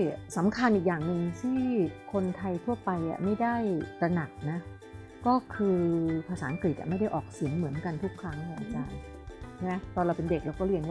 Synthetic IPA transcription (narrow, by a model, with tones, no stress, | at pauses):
sa˩˦mkʰa˧nʔiː˨˩k̚jaː˨˩ŋnɯ˧ŋt̪ʰiː˥˩kʰo˧nt̪ʰa˧jt̪ʰu˥˩ɐpa˧jʔa̰˨˩ma˥˩jda˥˩jt̪ɾa˧na˨˩k̚na˦˥ | kɔː˥˩kʰɯː˧pʰaː˧saː˩˦ʔa˧ŋkɾi˨˩ʔa̰˨˩ma˥˩jda˥˩jʔɔ̰ː˨˩k̚si˨˩˦əŋmɯ˩˦ənka˧nt̪ʰu˦˥kʰːɾa˦˥ŋ˧a˧˩ʔa̰˧˩t͡ɕaː˧n | t͡ɕʰa˥˩mɛ˦˥t̪ɔː˧ɾa˧wpe˧nde˨˩k̚ɾa˧wkɔː˥˩ɾi˧ənwaː˥˩